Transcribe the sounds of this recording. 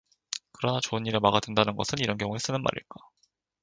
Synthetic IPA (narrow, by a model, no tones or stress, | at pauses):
kɯɾʌnat͡ɕoɯnɲiɾemaɡadwendanɯnɡʌsʰɯniɾʌnkjʌŋue̞s͈ɯnɯnma̰ɾḭɭk͈a